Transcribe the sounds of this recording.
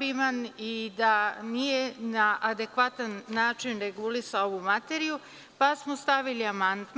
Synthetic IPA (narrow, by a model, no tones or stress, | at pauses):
bimanid̪anijenaʔad̪e̞kʋat̪anːaːt͡ʃinɾeɡulisaoʋumat̪eɾiju | pasmost̪aʋiliamand̪